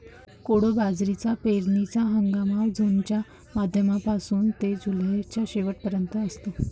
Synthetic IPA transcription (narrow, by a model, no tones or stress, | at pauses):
koɽobad͡zɾit͡sapeɾnit͡saɦəŋɡamaʋd͡zʱont͡ɕja | mad̪ʱjəmapasuːnt̪ed͡ʑulɦet͡ɕjaɕeʋəʈ̚pəɾjənt̪əːst̪o